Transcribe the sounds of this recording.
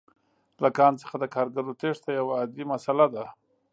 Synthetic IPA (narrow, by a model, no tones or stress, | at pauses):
lakɑnt͡sə̥xad̪əkɑɾɡaɾot̪eʂt̪ajawaːd̪limasalad̪a